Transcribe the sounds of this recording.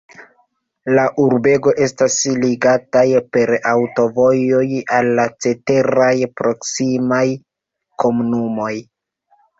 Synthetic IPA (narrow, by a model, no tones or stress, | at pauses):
laʔuɾbe̞ɡo̞ʔe̞stasliɡatajpe̞ɾawto̞vo̞jo̞jalːat͡se̞te̞ɾajpɾo̞ksimaj | ko̞munumo̞j